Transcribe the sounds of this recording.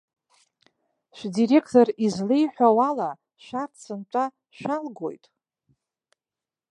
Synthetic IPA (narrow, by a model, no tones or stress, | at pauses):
ʃʷᶣdiɾe̞kʰtʰo̞rizlejħʷᶣawala | ʃʷᶣart͡sʰɨntʷʼa | ʃʷᶣalɡo̞̰jtʼ